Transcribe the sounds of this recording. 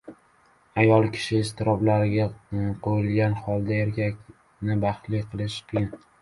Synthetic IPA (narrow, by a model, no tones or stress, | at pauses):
ajɒlˠkʲʰɪ̥ʃɪːst̪ʰɪɾɒblaɾɪɡʲaqʰojɪlˠɡʲanχɒlˠd̪aeɾkʲʰakʲ | nɪbɑχt̪lijqʰɨlˠɪʃbʲɪn